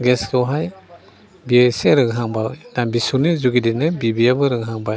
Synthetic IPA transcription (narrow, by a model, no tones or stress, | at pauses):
ɡɛskɯwɦaj | biajseɾɯŋɦaŋbalnabisunizuɡidinɯbibiabɯɾɯŋɦaŋba